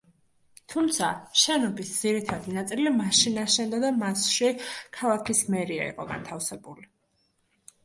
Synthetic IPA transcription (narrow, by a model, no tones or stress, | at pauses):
t̪ʰumt̪sʰaʃɛnɔbisd̪z̥iɾit̪ʰad̪inat̪sʼilimaʃinaʃɛnd̪ad̪amasʃikʰalˠakʰismɛɾia̰ḭqʼɔ̰ɡa̰nt̪ʰafsɛbuli